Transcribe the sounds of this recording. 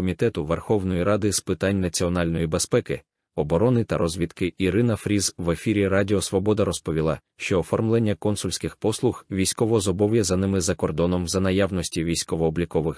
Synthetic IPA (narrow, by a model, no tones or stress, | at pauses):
ɔmʲit̪ɛt̪ʊʋerxɔʋnɔjiɾɑd̪ɪspɪt̪ɑnʲnɐt͡sʲiɔn̪ɑlʲnɔjibespɛkɪ | ɔbɔɾɔnɪt̪ɐɾʔɔzʲʋʲit̪kɪiɾɪnɐfɾʲizʋe̞fʲiɾʲirɑdʲɪɔsʋɔbɔd̪ɐɾɔspɔʋʲilˠɑ̰ | ʃt͡ʃɔːfɔrmlˠenʲːɐkɔnsʊlʲsʲkɪxpɔslˠʊxʋʲijsʲkɔʋɔzɔbɔwjɛzɐnɪmɪzɐkɔrd̪ɔnɔmzɐnɐjaʋnɔsʲtʲiʋʲijsʲkɔʋɔːblʲikɔʋɪx